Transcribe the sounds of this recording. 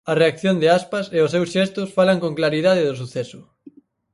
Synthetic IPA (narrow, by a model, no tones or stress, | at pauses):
ɐreakθjond̪ɪaspaseʊsewsʃɛst̪ʊsfalaŋkõŋklaɾiðaðɪðʊsuθɛsʊ